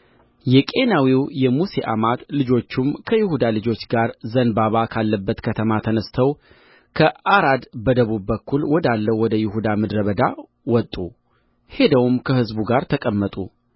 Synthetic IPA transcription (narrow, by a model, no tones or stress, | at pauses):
jɛkʼe̞nawiwjɛmuse̞ʔa̰mat̪lɨd͡ʒo̞t͡ʃːumkʰəjɪhud̪alɨd͡ʒo̞t͡ʃːɡaɾzənbaβakʰalːəbːət̪kʰət̪ʰəmat̪ʰənəst̪ʰəw | kʰəʔaɾad̪bəd̪əβubːəkʰːulwɔd̪alːəwɔd̪əjɪhud̪amɨd̪ɾəβəd̪a | wɔt̪ʼːu | he̞d̪əwumkʰəhɨzbuɡaɾt̪ʰəkʼəmːət̪ʼu